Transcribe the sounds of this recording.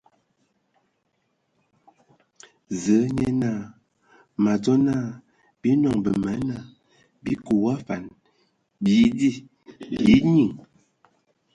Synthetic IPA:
zə˨˦ɲɛ˦na˦˨ | ma˨d͡zɔ˦na˦˨ | bi˦nɔ˨ŋbə˨ma˨˦na˨ | bi˦ku˨wa˦fa˨n | bji˨˦di˦˨ | bji˨˦ɲi˨ŋ

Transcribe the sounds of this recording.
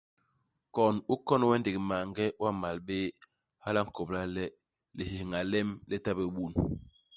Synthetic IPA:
kɔ˨nu˦kɔ˦n˨wɛ˦nde˨kma˨ŋɡɛ˦wa˦ma˨lbe˦ | ha˦la˦ŋ̩˦˨ko˨bla˦lɛ˦ | le˨ɦe˨hŋa˨lɛ˦mlɛ˦ta˦be˨ɓu˦˨n

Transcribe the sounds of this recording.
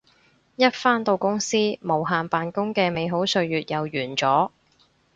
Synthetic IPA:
jɐ˥t̚faː˥nt̪o˧wkʊ˥ŋsiː˥mo˨˩wɦaː˨npaː˨nkʊ˥ŋkɛː˧me˨˧jɦo˨˥wsɵ˧ɥjyː˨t̚jʔɐ˨wjyː˨˩nt͡sɔː˨˥

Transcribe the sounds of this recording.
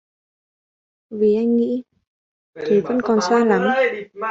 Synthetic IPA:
vi˨˩ʔa˧jŋ̟ŋḭ˧˥ | t̪ʰe˨˩və̰˧˥nkɔ˨˩nsaː˧la˨˦m

